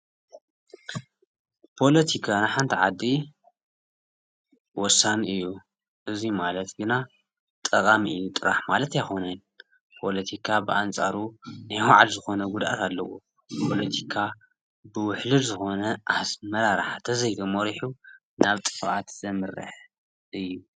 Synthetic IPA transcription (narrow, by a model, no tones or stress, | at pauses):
pʰo̞lɐt̪ʰikʰanaħant̪ʰiʕad̪ːi | wɔsːaniʔɨjːu | ʔɨzimalɐt̪ɡɨna | t̪ʼɐkʼamiʔɨjːut̪ʼɨɾa̰ħmalɐt̪ajxo̞nɐn | pʰo̞lɐt̪ʰikʰabɨʔant͡sʼaɾunajwaʕalzɨxo̞nɐɡud̪ʔa̰t̪ʰalːɐwo̰ | pʰo̞lɐt̪ʰi̥kʰa | bɨwʊħlɨlzɨxo̞nɐʔasmɐɾaɾaħat̪ʰɐzɐjɡ̪ɐmoɾiħu | naβt̪ʼɨ̥fʔat̪zɐmɨɾɨ̰ħ | ʔɨjːu